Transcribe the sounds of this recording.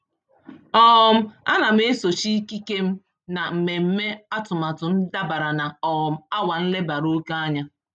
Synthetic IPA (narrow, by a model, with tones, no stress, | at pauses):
ɔ˦˨m̩˦a̰˦na˨m̩˦e˦so˨t͡ʃi˦ki˦ke˦m̩˦ | na˨m̩˨me˨m̩˦me˦a˦tʊ˨ma˨tʊ˨n̩˦da˦ba˨ɾa˨na˨ɔ˨m̩˦a˦wa˨n̩˦le˦ba˨ɾo˦ka˦a˦ɲa˦